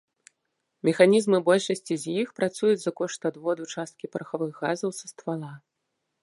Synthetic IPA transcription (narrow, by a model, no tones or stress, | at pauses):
mʲɛxanʲizmɨbɔlʲʂɐsʲt͡sʲizʲjixpɾat̪sujud͡zʲzɐkɔʂt̪ɐd̪vɔd̪ut͡ʂast̪̚kʲipɐɾɐxavɨɣːazɐwsɐst̪valˠa